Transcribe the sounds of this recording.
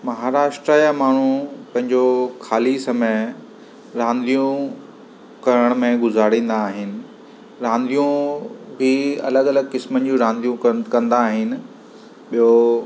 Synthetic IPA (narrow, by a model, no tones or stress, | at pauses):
mɐɦaːɾaːʃʈɾəjamaːɳ̤ũpɐ̃ɦɪ̃ɲd͡ʑokʰaːlisɐme | ɾãːnd̪ʱijũ | kɐɾəɽ̃mẽɡʊzaːɾĩːn̆d̪aːɦɪnɪ̆ | ɾãːnd̪ijũbɪɐ̰ləɡɐləɡkɪsmənɪ̆d͡ʑũɾãːnd̪ʱijũkɐkɐ̃nd̪aːɦɪnɪ̆ | ɓijo